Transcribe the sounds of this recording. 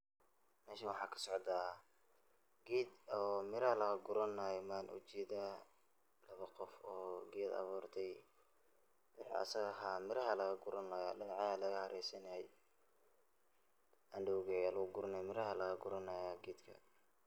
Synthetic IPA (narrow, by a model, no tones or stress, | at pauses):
mɛːʃɐnwɑħɑːkʰɐ̥sɔʕd̪aː | ɡiːd̪ɔːmɪɾɐhɐlɐɣɐɡʊɾɐnːajɛmaːnʔʊ̰t͡ʃɛːd̪a | lɐβɐqɔfɔːɡɛːd̪ɐ̰βuːrt̪ʰɛj | wɑħḭʔɐ̰sɐɣɦɐmɪɾɐɦɐlɐɣɐɡʊɾɐnɐjaːɗɪnɑʕɑɐlɐɣɐhɐɾʔɛjsɐnɐhɛj | ʔɐnɖɛwɣɛɐlɐɣʊɡʊɾɐnɐjmɪɾɐɦɐlɐɣɐɡʊɾɐnɐjaɡiːd̪kʰɐ̰